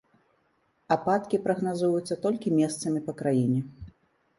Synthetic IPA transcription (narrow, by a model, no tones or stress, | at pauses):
apat̪kʲipɾɐɣnazujut̪sːɐt̪ɔlʲkʲimʲɛst̪sɐmʲipɐkɾajinʲɛ